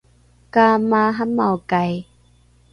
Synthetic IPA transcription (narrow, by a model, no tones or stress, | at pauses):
kaːmaːɦamːawkaj